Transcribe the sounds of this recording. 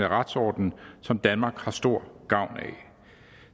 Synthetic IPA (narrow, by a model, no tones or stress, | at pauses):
əʁɑd̥sɒ̰ːd̥n̩sɒ̽md̥ænmɑ̈ːɡ̥hɑ̈sd̥o̝ɐ̰ɡ̥ɑ̈ʊ̰nɛ̰